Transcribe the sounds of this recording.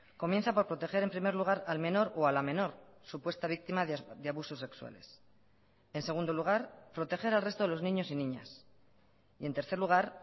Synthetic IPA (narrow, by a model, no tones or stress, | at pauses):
ko̞mje̞nθapo̞ɾpɾo̞t̪e̞xe̞ɾe̞mpɾime̞ɾluɣ̞aɾalme̞no̞ɾoalamẽ̞no̞ɾsupwe̞st̪aβ̞ik̚t̪imad̪eaβuso̞se̞kswa̰le̞̰s | e̞nse̞ɣ̞und̪oloɣ̞aɾpɾot̪e̞xe̞ɾalre̞st̪o̞ðelo̞znĩɲo̞sinĩɲa̰s | ie̞nt̪e̞ɾθe̞ɾluɣ̞aɾ